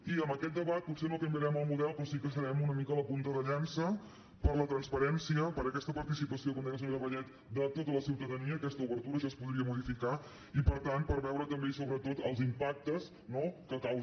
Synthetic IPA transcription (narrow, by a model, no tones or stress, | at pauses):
iəmbəkɛt̪̚d̪əβat̪̚pusenokəmbiəɾɛməlˠmuðɛlˠpɾɔsikəsəɾɛmunəmikələpunt̪əðəʎansə | pəɾlət̪ɾənspəɾɛnsiəpəɾəkɛst̪əpəɾt̪isipəsiokoɔmd̪ens̬əβeðəβəʎɛt̪ | d̪ət̪ot̪ələsiwt̪əðəniəːkɛst̪əuβəɾt̪uɾəʒaspuðɾiəmuðifika | ipəɾt̪anpəɾβɛwɾət̪əmbesoβɾət̪ot̪əlˠzimpak̚t̪əs | nokəkaw